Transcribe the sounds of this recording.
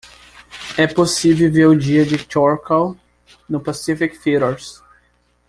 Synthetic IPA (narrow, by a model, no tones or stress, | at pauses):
ɛposivewveɾʊd͡ʒiɐd͡ʒɪkɔɾkaw | nʊpasifikfiɾoɾs